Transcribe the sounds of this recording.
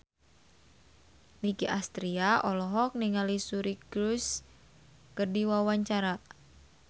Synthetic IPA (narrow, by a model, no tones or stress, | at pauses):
mikiʔast̪ɾiaʔɔlɔɦɔk̚niŋalisuɾikɾus | kərdiwawaɲt͡ʃaɾa